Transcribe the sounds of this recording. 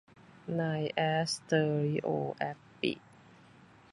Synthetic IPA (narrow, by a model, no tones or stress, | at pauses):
najʔɛst̪əɹiʔoʔɛfpḭ